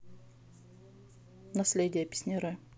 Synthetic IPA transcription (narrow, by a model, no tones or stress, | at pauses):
nɐsʲlʲedʲɪjəpʲɪ̥sʲnʲɪɾɨ